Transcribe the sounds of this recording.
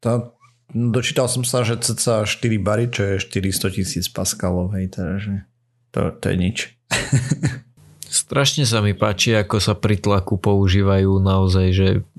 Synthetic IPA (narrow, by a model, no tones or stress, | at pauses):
t̪a | d̪ɔt͡ʃiːt̪alsɔmsaʒɛt͡sɛt͡saʃt̪iɾibaɾit͡ʃɔjɛʃt̪iɾist̪ɔcisiːt͡spaskalɔʊɦɛjt̪ɛd̪ʒɛ | t̪ɔ̰t̪ɔ̰jɛ̰ɲit͡ʃ | st̪ɾaʃɲɛs̬amipaːt͡ʃiakɔsapɾit̪lakupɔuʒiːʋajuːnaɔzajʒɛ